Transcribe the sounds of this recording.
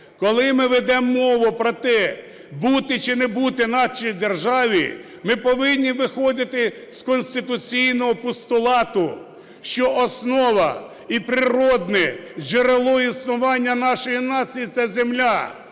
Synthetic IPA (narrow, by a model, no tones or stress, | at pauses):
kɔlˠɪmɪʋɛd̪ɛmːɔʋʊpɾɔt̪ɛ | but̪ɪt͡ʃɪnɛbut̪ɪnɑt͡ʃijd̪erʒɑʋʲḭ | mɪpɔʋɪnʲːiʋɪxɔd̪ɪt̪ɪskɔnʲsʲt̪ɪt̪ʊt͡sʲijnɔɦɔpʊst̪ʊlˠɑt̪ʊ | ʃt͡ʃɔʔɔsnɔʋɐ | ipɾɪɾɔd̪nɛʒeɾelˠɔisnʊʋɑnʲːɐnɑʃɔjinɑt͡sʲijit̪sɛzemlʲa